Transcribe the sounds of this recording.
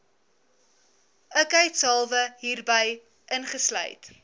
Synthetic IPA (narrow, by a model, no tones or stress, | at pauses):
əkəɛtsɑlˠvəɦiːrbəj | ʔənχəslœ̰jt